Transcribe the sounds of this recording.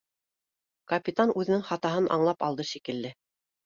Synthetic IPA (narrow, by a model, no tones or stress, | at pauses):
kɐpʲit̪anʉðɘ̆nɘŋχɑt̪ɑɦɤnʔɑ̰ɴlˠɑpɑlˠd̪ɤʃikɘ̆lːɘ